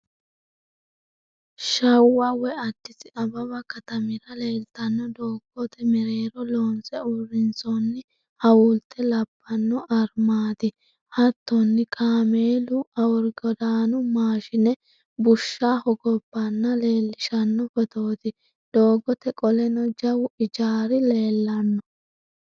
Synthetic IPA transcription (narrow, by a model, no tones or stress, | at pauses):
ʃɐwːɐwɛɐd̪ːɪsɪʔɐbɐβɐkɐt̪ɐmɪɾɐle̞ːlt̪ɐnːɔd̪oːɡ̥ɔt̪ɛmɛɾeːɾɔloːnsɛʊrːɪnt͡sɔnːɪ | hɐwult̪ːɛlɐbːɐnːɔʔɐɾmaːt̪ɪ | hɐt̪ːɔnːɪkʰaːmeːlʊɐwʊɾɡɔd̪aːnʊmaːʃɪnɛ | bʊʃːaːhɔɡɔbːɐnːɐle̞ːlːɪʃɐnːɔfɔt̪oːt̪ɪ | d̪̥o̞ːɡɔt̪ɛkʼɔlɛnɔd͡ʒɐwɪd͡ʒaːɾɪle̞ːlːɐnːɔ